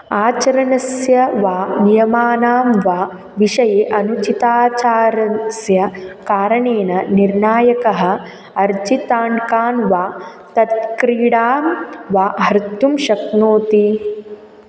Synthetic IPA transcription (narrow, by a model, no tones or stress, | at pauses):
aːt͡ʃɐɾɐnɐsjɐʋaːnijɐmaːnaːmʋaː | ʋiʃɐjeʔɐnut͡ʃit̪aːt͡ʃaːɾɐsjɐkaːɾɐɳeːnɐniɾɳaːjɐkɐɦɐ̆ | ɐɾd͡ʒit̪aːɳkaːnʋaː | t̪ɐt̪̚kɾiːɽaːmʋaːɦɐɾt̪ːumʃɐknoːt̪i